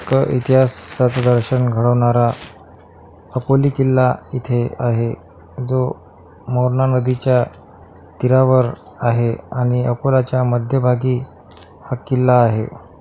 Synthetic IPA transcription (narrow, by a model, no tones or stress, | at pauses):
kəʔit̪iɦasat͡sad̪əɾɕənɡʱəɽəʋɳaɾa | əkoliːkilːait̪ʰeaɦe | d͡zo | moɾɳanəd̪it͡ɕja | t̪iɾaʋəɾ | aɦeaɽ̃iəkolat͡ɕjaməd̪ʱjəbʱaɡiː | hakːilːaːɦḛ